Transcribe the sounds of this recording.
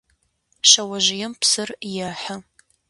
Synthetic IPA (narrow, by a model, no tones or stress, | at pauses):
ʃɐwɐʒɪjɪmpʰsɨrjɐħə